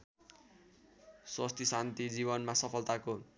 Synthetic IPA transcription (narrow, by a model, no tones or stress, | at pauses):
swast̪ʰisant̪id͡ziβʌnmasʌpʰʌlt̪ako